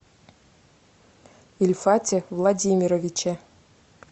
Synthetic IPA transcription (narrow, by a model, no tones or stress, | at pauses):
ilʲfat͡sʲɛvlˠadʲimʲiɾɔvʲit͡ʃɛ